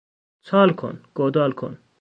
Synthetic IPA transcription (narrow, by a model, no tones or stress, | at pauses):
t͡sʰaːlkʰo̰nɡ̥od̪aːlkʰo̰n